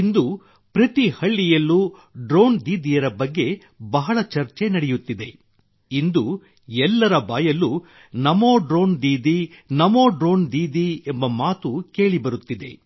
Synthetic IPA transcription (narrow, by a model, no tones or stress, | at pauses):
ind̪u | pɾɐt̪ihɐɭːijɐlːu | ɖɾoːnd̪iːd̪ijɐɾɐbɐɡːe̞ | bɐɦɐɭɐt͡ʃɐɾt͡ʃe̞nɐɽejut̪ːid̪e̞ | ind̪u | ɛlːɐɾɐbaːjɐlːu | nɐmoːɖɾo̞ːnd̪iːd̪inɐmo̞ːɖɾo̞ːnd̪iːd̪iembɐmaːt̪uke̞ːɭibɐɾut̪ːid̪e̞̰